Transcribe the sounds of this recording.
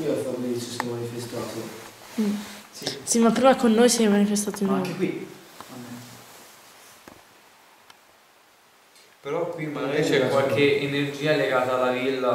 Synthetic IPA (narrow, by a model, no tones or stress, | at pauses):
iafavolisosɛmanifest̪aːt̪o | isimapːɾiːmakonːoːjsjɛmmanifest̪aːt̪oinaekwia | peɾɔkːwimaɾɛt͡ʃɛkwalkʰeʔːnerd͡ʒiːaleɡaːt̪aːlːavilːa